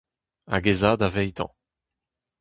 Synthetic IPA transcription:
a̰ɡezaːd̪avɛjt̪ɑ̰̃

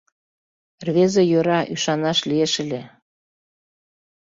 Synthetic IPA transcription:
rβezɤjøɾɑʔyʃɑnɑʃlieʃɘ̆lʲe

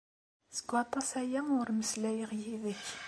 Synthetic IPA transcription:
sə̥ɡʷːɑt̪ˤɑsæjæʊɾməslæjəʁjiðəç

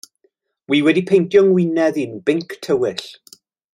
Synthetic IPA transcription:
wiːwɛdipʰejntʰjɔŋwɪnɛðɪnbɪŋkʰtʰəwɪɬ

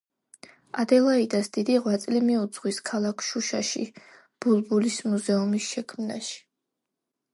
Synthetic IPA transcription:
ad̪ɛlˠaid̪asd̪̥id̪iʁwat̪sʼlimiut̪sʰχwiskʰalˠakʰʃuʃaʃḭ | b̥ulˠbulismuzɛumisʃɛkʰmna̰ʃi̥

